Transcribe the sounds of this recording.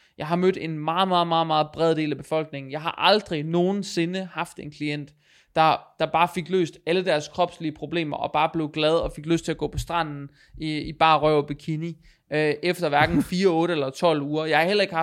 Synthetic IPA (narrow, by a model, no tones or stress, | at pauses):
jɑ̈ɪɦɑ̈mød̥e̝nmɑ̈ːð̩ˠmɑ̈ːð̞̩ˠmɑ̈ːð̞̩ˠmɑ̈ːð̞̩ˠb̥ʁɛð̞ˠd̥e̝̰ːlæb̥e̝fɒ̽l̰ɡ̥ne̝ŋn̩jɑ̈ɪhɑ̈ʔɑ̈ld̥ʁino̝ːn̩se̝nəhɑ̈fd̥e̝nkʰlien̰d̥ː | ɑ̈d̥ɑ̈b̥ɑ̈ːfe̝ɡ̥lø̰ːsd̥æləd̥æɐskʰʁɒ̽b̥sliəpʰʁo̝b̥le̝̰ːmɐʔɒ̽b̥ɑ̈ːb̥le̝ʊɡ̥lɛð̞ˠɒ̽fe̝ɡ̥løs̚t͡sʰe̝æɡɔ̰̽ːpʰɒ̽sd̥ʁɑ̈n̰n̩ | iib̥ɑ̈ːʁœʊɒb̥ikʰini | øʔefd̥ɐʋæɐɡ̥n̩fiːɐɔ̽ːɾəelɐt͡sʰɒ̽l̰uːɐjɑɪhɑ̈hel̰ɐe̝ɡ̥hɑ